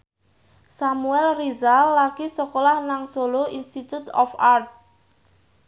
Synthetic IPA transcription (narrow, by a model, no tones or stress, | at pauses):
samuɛlrizalːaɡisɔkolahnaŋsoloinst̪it̪ut̪ɔ̰fart̪̚